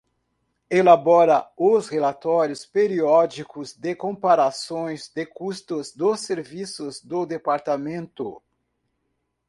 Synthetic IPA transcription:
elabɔɾɐʊshelat̪ɔɾjʊspeɾiɔd͡ʒikʊzd̪ekõpaɾasõj̃zd̪ekust̪ʊzd̪oseɾvisʊzd̪od̪epaɾt̪amẽnt̪ʊ̰

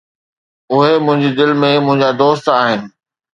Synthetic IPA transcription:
ʊɦemʊ̃ɦɪ̃ɲd͡ʑid̪ɪlmẽmʊ̃ɦɪ̃ɲd͡ʑad̪oːst̪aːɦɪnɪ̆

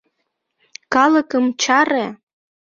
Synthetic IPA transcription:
kɑlə̆kəmt͡ɕɑɾe

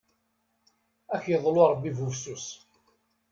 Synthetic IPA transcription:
æçjəðˤlʊɾˤbːivufsus

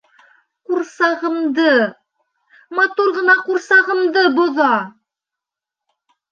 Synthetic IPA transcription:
quɾsɑʁɤ̆md̪ɤ | mɑt̪uɾʁɤ̆nɑquɾsɑʁɤ̆md̪ɤbŏðɑ

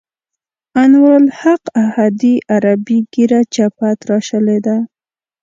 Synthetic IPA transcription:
anwəlhaqahad̪iʔaɾabiɡiɾat͡ʃapat̪ɾɑʃəled̪a

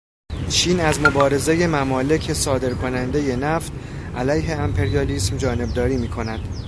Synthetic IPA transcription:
t͡ʃʰiːnæzmo̞bɒːɾe̞zeje̞mæmɒːle̞cʰe̞sɒːd̪e̞ɾkʰo̞nænd̪e̞je̞næft̪ | ʔælæjɦe̞æmpʰe̞ɾijɒːliːsmd͡ʒɒːne̞b̚d̪ɒːɾiːmiːkʰo̞næd̪̥

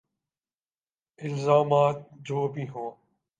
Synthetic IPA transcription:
ɪlzaːmaːt̪̚d͡ʒoːbʱĩːɦõː

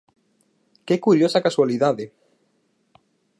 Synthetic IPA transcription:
kɛkuɾjosakaswaliðaðɪ

